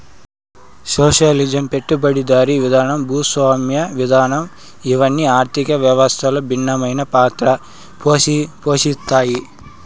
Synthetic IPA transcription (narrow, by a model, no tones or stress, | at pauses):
soːʂɐlid͡ʒɐmpe̞ʈːubɐɽid̪aːɾiʋid̪ʱaːnɐmbʱuːsʋaːmjɐʋid̪ʱaːnɐm | iʋɐnːiaːɾt̪ʰikɐʋjɐʋɐst̪ʰɐlɐbʱinːɐmɐjnɐpaːt̪ɾɐ | pːpoːʃist̪ːaːji